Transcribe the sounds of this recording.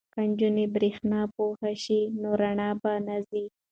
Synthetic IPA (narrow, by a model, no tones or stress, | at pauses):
kand͡ʒunebɾixnɑpohaʃinoɾaɳɑbanazi